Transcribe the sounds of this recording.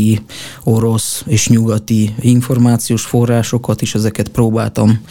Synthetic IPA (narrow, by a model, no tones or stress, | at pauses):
io̞ɾo̞seːʃɲuɡɒt̪iiɱfo̞rmaːt̪sijoːʃfo̞rːaːʃo̞kɒt̪iʃɛzɛkɛt̪proːba̰ːlt̪ɒm